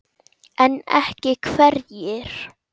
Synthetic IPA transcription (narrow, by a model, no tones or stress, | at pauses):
ɛnɛ̰hcɪkʰvɛɾjɛɾ̥